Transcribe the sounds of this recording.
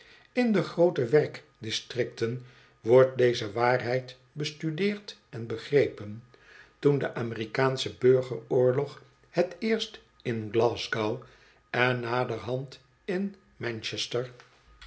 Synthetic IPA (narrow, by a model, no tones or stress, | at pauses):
ɪndəχrowtəʋɛrk | dɪstrɪk̚tən | ʋɔɹt̚dejzəʋaːrɦɛjt | bəstydɪːɹtɛnbəχrejpən | tundəʔaːmɪrikaːnsəbøɹχərʊːɹlɔχ | hətɪːɹst | ɪnɡlɑːzɡaw | ɛnːaːdəɹɦɑnt | ɪn | mɛnt͡ʃɛstəɹ